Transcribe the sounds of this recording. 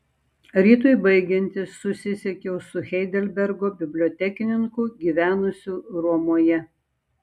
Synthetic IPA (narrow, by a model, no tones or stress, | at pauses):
ɾʲiːt̪oɪbɐɪɡʲɛnʲt̪ʲɪsʊsʲɪsʲɛkʲɛʊsʊxʲɛɪd̪ʲɛlʲbʲɛɾɡoːbʲɪbʲlʲoːt̪ʲɛkʲɪnʲɪŋkʊɡʲiːʋʲæːnʊsʲuːɾuɔmoɔjɛ